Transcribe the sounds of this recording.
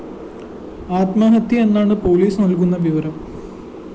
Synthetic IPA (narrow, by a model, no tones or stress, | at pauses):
aːt̪maːnɐt̪ʰːjie̞nːaːɳɨpo̞ːliːsnɐlkunːɐʋiʋɐɾɐm